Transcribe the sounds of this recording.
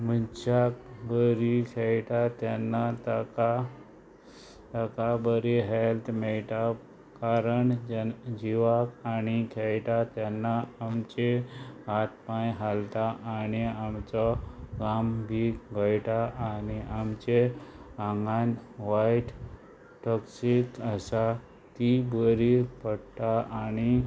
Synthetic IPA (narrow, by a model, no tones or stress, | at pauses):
mənt͡ɕakbəɾikʰɛjʈ̪at̪janːat̪aka | t̪əkabəɾiɦelt̪ʰmeɭʈa | kaɾəɳd͡ʑiʋakanikʰeɛjʈ̪at̪janːaːmt͡ɕeɦat̪̚pãjɦalt̪aʔaɽ̃iamt͡sɔɡambʱiɡəjʈ̪aʔaniʔamt͡ɕeãŋɡanʋajʈ | ʈɔksikəsa | t̪ibəɾipəɽt̪aʔani